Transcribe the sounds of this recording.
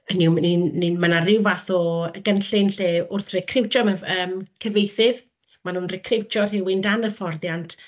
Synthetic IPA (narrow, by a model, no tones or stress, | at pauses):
əniwninninmənarɪwvaθɔəɡənɬɪnɬeːʊrθrɪkʰrɪwt͡ʃɔmaəːmkʰəvejθɨð | manʊnrɪkʰrɪwt͡ʃɔrhɪwɪndanəfɔrðjantʰ